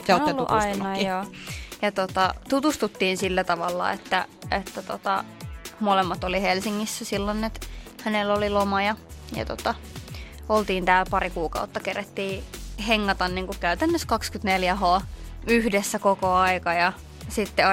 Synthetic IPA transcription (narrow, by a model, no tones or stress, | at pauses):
seonl̰ːʔɑinɑoːjɑt̪ot̪ɑt̪ut̪ust̪ut̪ːiːnsilːæt̪ɑʋɑlːɑ̰ḛt̪ːæʔet̪ːæt̪o̰t̪ɑ̰molemːɑt̪olihelsiŋːisːæsilːonːet̪hænelːolilomɑjɑjɑ̰t̪o̰t̪ɑ | olt̪iːnt̪æːlpɑrikuːkɑ̰ut̪ːɑkeræt̪ːiːheŋːɑt̪ɑnniːŋkukkæyt̪ænːøskɑkskyt̪neljæhoːyhdesːækokoɑikɑjɑ | sit̪ːe